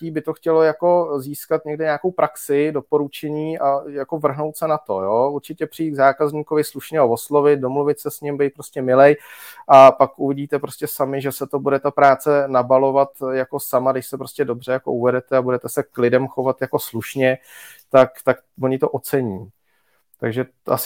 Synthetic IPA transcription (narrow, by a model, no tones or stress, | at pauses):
iːbɪt̪oxcɛlojako̞ziːskat̪̚ɲɛɡdɪɲaːko̞wpɾaksɪdo̞po̞ɾut͡ʃɛɲiːʔajako̞vr̩ɦno̞wt̪sɛnat̪o̞̰jouɾt͡ʃɪcɛpr̝̥ɪjiːt̪ɡzaːkazɲiːko̞vɪsluʃɲɛovoslo̞vɪt̪̚do̞mluvɪt̪sɛsɲɪmbɛjt̪̚pɾoscɛmɪlɛjʔapakʔuvɪɟiːt̪ɛpɾo̞scʲɛsamɪʒɛsɛt̪o̞budɛt̪apɾaːt͡sɛnabalo̞vat̪jako̞samadɪʃsɛpɾo̞scɛdo̞br̝ɛjako̞̰ʔuvɛdɛt̪ɛabudɛt̪ɛsɛklɪdɛmxo̞vat̪jako̞sluʃɲɛt̪akt̪ak | vo̞ɲɪt̪o̞ʔot͡sɛɲiː | t̪aɡʒɛ | ʔa̰s